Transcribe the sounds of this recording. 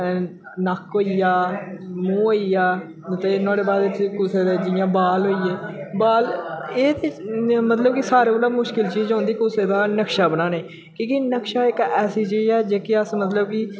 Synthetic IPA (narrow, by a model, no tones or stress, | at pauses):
nəkɦoːijaːmũːɦoːijaː | t̪eːnãːɽeːbaːd̪et̪ʰːkʊseːd̪eːd͡ʒɪjãːbaːlɦoːijeːbaːleːt̪emət̪ləb̚kisaːɾeːbəlaːmʊʃkɪlt͡ʃiːd͡ʒõːnd̪iːkʊseːd̪aːnəkʃaːbənãːneː | kõːkinəkʃaːɪkɛːsiːt͡ʃiːd͡ʒɛːd͡ʒeːkɪəsmət̪ləb̚ki